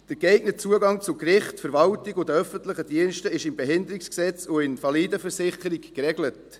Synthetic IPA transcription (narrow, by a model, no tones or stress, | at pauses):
d̥əɾkɛɪɡnət͡suəɡɑŋt͡sʊkrɪχtfəɾvɑltiɡʊdəœfəntləχəd̥iənʃtəɪʃɪmbɛɦɪndəɾiksksɛt͡sʊɪnfɑlidəfəɾsɪχəɾikkɾɛɡlət